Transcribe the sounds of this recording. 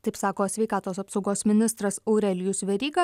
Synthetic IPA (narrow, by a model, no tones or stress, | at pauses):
t̪ɐɪpsɑːkoːsʲʋʲɛɪkɑːt̪oːsɐpsɒʊɡoːsmʲɪnʲɪst̪ɾɐsɒʊɾʲɛlʲɪjʊsʋʲɛɾʲiːɡɐ